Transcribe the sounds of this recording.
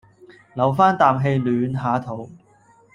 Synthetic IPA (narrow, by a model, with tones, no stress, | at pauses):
lɐ˨˩wfaː˥nt̪aː˨mɦe˧jlyː˨˧nɦaː˨˥t̪ʰo˨˥w